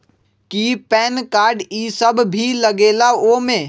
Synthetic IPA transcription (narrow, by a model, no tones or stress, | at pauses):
kipɛːnkaːɾɖiːsəbbʱiləɡeːlaoːmẽ